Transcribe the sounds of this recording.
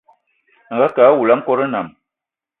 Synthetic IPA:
ŋ̩˨ɡa˦ka˨˦wu˨la˨˦m̩˦kɔ˦ɾə˦na˨m

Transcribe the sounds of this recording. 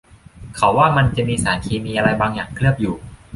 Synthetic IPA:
kʰa˩˦wːaː˥˩ma˧nt͡ɕa˨˩ʔmiː˧saː˩˦nk̪ʰiː˧miː˧ʔa˧ɾa˧jbaː˧ŋjaː˨˩ŋkʰlɯ˥˩əp̚juː˨˩

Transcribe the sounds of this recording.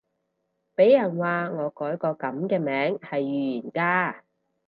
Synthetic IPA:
pe˨˥jːɐ˨˩nwaː˨˧ŋɔː˨˧kɔː˨˥jkɔː˧kɐ˨˥mkɛː˧mɛː˨˥ŋhɐ˨jːyː˨jyː˨˩nkaː˧

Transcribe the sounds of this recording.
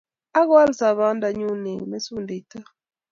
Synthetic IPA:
a˦ɣwa˦lsa˨βa˦nda˨ɲu˦ne˨ŋ˨me˦su˦nde˨i˨ta˦

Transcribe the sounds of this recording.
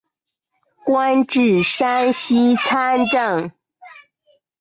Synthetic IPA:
kwa˦nʈ͡ʂɻ̩˨˩ʂa˥nɕi˥t͡sʰa˥nʈ͡ʂə˥˨˩ŋ

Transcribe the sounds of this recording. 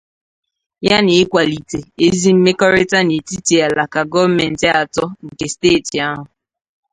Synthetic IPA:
ja˦nɪ˨ɪ˦kʷa˨li˨te˨e˦zi˦m̩˦me˦kɔ˦ɾe˦ta˦ne˨ti˦ti˨a˨la˨ka˨ɡɔ˦vme˨n̩˨tɪ˦a˨tɔ˦ŋ̩˨ke˨steː˦˨ti˨a˦ɦʊ˨

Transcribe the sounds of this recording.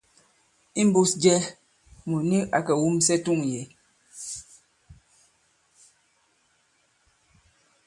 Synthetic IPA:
i˦m˦bu˦sd͡ʒɛ˦ | mu˨ni˦ʔa˨kɛ˨wu˦msɛ˦tu˦˨ŋje˨

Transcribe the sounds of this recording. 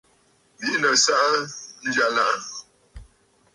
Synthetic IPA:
bi˦ʔnə˨sa˦ʔa˦n̩˦d͡ʒa˨la˦ʔa˦

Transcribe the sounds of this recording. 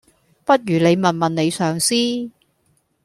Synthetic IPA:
pɐ˥t̚jyː˨˩ne˨˧jmɐ˨˩nmɐ˨nne˨˧jsœː˨ŋsiː˥

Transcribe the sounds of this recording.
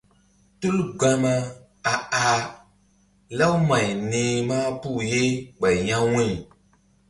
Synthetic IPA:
tu˦lɡ͡ba˦ma˦ | a˨a˨ | la˦wma˨ɲ˨nẽː˨maː˦pu˦˨je˦ɡ͡ba˨jɲã˦wu˦ɲ˨

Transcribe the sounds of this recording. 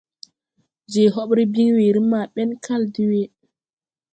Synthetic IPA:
d͡ʒe˨ɦɔ˦ɓɾi˦bi˦ŋwe˨ɾi˦ma˨ɓɛ˦nka˦ldi˦we˦

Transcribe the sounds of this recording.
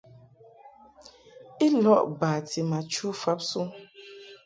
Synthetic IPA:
i˦lɔ˦˨ʔba˨tʰi˨ma˨t͡ʃu˦fa˨˦psu˦

